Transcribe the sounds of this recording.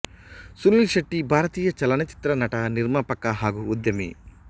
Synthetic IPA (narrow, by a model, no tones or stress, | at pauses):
sunilʃɐʈːibʱaːɾɐt̪iːjɐt͡ʃɐlɐnɐt͡ʃi̥t̪ɾɐnɐʈɐniɾmaːpɐkːaɦaːɡuːd̪jɐmḭ